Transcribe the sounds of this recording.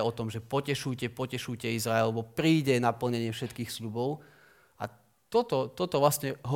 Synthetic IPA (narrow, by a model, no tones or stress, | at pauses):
ɔt̪ɔmʒɛpɔcɛʃuːcɛpɔcɛʃuːcɛizɾaɛlʋɔpɾiːɟɛnapl̩ɲɛɲɪɛfʃɛt̪kiːxslʎubɔʊ | ʔa | t̪ɔt̪ɔt̪ɔt̪ɔʋlasɲɛɦɔ